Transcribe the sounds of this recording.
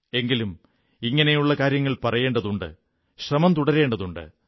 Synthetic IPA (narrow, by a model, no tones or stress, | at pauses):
e̞ŋɡilum | iŋːɐne̞juɭːɐkaːɾjɐŋːɐɭpɐrɐje̞ːɳɖɐðuɳɖɨ̰ | ɕrɐmɐmt̪uɽɐɾe̞ːɳɖɐðuɳɖɨ̰